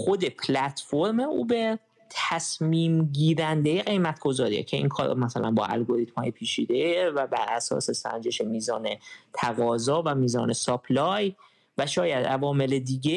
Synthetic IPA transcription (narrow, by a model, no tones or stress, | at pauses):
xo̞d̪e̞pʰlæt̪ʰfo̞ɾme̞ṵːbeɾ | t̪ʰæsmiːmɟiːɾænd̪ejeɣe̞jmæt̪̚ʰɡ̥o̞zɒːɾḭːḛcʰe̞ʔḭŋkʰɒːɾ̰mæsælʔæ̰nbɒ̰ːʔæ̰lɡo̞ɾit̪mhɒ̰ːjipʰiːt͡ʃʰḭːd̪evæbæɾʔæsɒ̰ːse̞sæ̰nd͡ʒe̞ʃemiːzɒːnet̪ʰæɣɒːzɒːvæmiːzɒːne̞sɒblɒj | væʃɒːjæd̪ʔævɒːme̞le̞d̪iːɟe